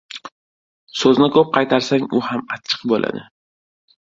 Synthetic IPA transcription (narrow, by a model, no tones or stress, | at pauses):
sɵznɪkʰɵp̚qʰɑjt̪ʰaɾsaŋʊhamat͡ʃʰːɨ̥qbolʔa̰d̪ɪ